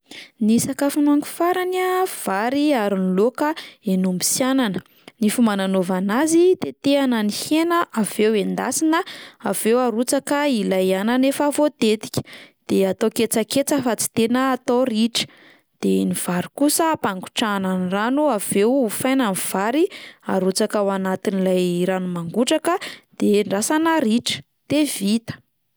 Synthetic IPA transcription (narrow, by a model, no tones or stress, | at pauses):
nisakafunuaŋku̥faɾanav̥aɾiaɾinlokəenumbi̥sjananə̥ | nifumananovanazit̪et̪eanənihenəʔav̥ewend̪asinəav̥ewaɾut͡sakəilajananefəvot̪et̪i̥kʲə̥d̪̥eat̪oket͡səket͡səfat͡si̥t̪enəːt̪oriʈ͡ʂə̥ | d̪̥eniv̥aɾikusəpaŋɡu̥ʈ͡ʂananranuav̥ewfajnaniv̥aɾia̰ɾut͡sakawanat̪inilajɾanumaŋɡuʈ͡ʂakəd̪̥eɳɖ͡ʐasanəɾiʈ͡ʂə̥ | d̪̥evit̪ə̥